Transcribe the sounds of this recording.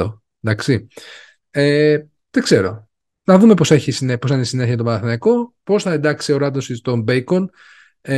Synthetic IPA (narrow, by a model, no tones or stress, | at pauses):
o | nd̪ɐksi | e | ðeɡ̥se̞ɾo̞̰ | nɐðume̞po̞se̞çisinepo̞sinesine̞ççɐt̪opɐnɐθinɐko̞po̞sθɐe̞nd̪ɐksio̞ɾɐd̪osist̪ombejkon